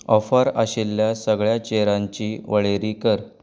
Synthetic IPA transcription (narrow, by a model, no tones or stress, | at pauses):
ɔfəɾə̰ɕelːjasəɡɭjat͡ɕeɾãɲt͡ɕiːʋəɭeɾiːkəɾ